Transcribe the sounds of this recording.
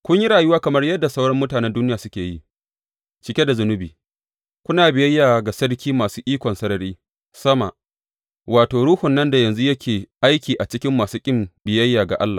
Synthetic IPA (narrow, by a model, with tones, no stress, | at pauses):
kʷʊ˦ɲji˦ɽaː˨jʊ˦waː˦kɐ˨mɐ˦rjɐ˦dːa˨sa˦wɽɐ˦mːʊ˦taː˨nɛ˦nduː˦nɪ˦jaː˨sʊ˦kʲeː˨ji˦ʔ | t͡ʃɪ˨kʲe˦da˨zʊ˦nʊ˦biː˨ | kʷʊ˦naː˨bɪ˨jɐ˦jːaː˨ɡa˨sɐ˦ɽkʲʰiː˦maː˨suː˦ʔiː˦kʷɔ˨nsɐ˦ɾɐ˨ɾiː˦ | sɐ˦ma̰˨ | waː˨toː˨ɽuː˦hʊ˨nːɐ˦nda˨jɐ˨nzu˦jɐ˦kʲʰeː˨ʔa˦jkʲiː˨ʔa˨t͡ʃɪ˦kʲɪ˦mːaː˨suː˦kʲʼɪ˦mbɪ˨jɐ˦jːaː˨ɡa˨ʔa̰˦lːaː˨